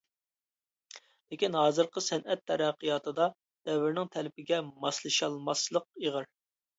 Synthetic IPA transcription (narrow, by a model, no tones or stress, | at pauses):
lɪkʲinɦɑːzɨɾqəsɛnʔɛt̪ʰːɛɾɛqːəjɑt̪ʰɨd̪ɑ | d̪̥ɛwɪɾnɪŋt̪ʰɛlɪpʰɪɡʲɛmɑslˠɨʃɑlˠmɑslˠəq̚eʁəɾ